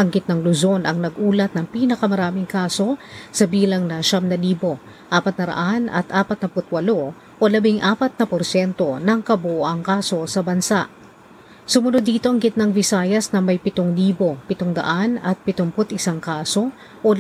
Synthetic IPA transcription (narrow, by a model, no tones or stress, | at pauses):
ʔɐŋɡɪt̪̚nɐŋlʊzo̞nʔɐŋnɐɡʔuːlɐt̪̚nɐŋpiːnɐkɐmɐɾaːmɪŋkaːso̞sɐbiːlɐŋnɐʃamnɐdiːbo̞ | ʔaːpɐt̪̚nɐɾɐ̰ʔanɐ̰t̪ʔaːpɐt̪nɐpʊt̪̚wɐlo̞ | ʔolɐbɪŋʔaːpɐt̪̚nɐpoɾsɛnt̪o̞nɐŋkɐbʊʔoʔɐŋkaːso̞sɐbɐnsaʔ | sʊmʊnod̪iːt̪o̞ʔɐŋɡɪt̪̚nɐŋvɪsaːjɐsnɐmɐjpɪt̪oŋliːbo̞pɪt̪oŋd̪ɐ̰ʔanɐt̪̚pɪt̪ʊŋpʊt̪ʔɪsaŋkaːso̞ | ʔo